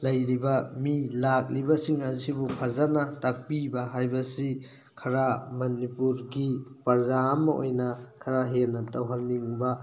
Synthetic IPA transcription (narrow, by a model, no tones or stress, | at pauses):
lɐjɾibɐmilak̚libɐsiŋɐzibupʰazanɐtak̚pibɐɦajbɐsi | kʰɐɾamɐnipuɾɡipɐɾzamɐʔo̰jnɐkʰɐɾaɦenɐtɐwɦanːiŋbɐ